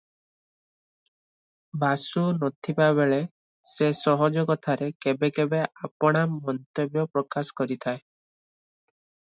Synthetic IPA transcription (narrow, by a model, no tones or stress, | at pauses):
bʱasunɔt̪ʰipabeɭe | sesɔɦɔd͡ʒɔkɔt̪ʰaɾekebekebeʔapɔɽ̃amɔnt̪ebjɔpɾɔkasɔ̥kɔɾit̪ʰae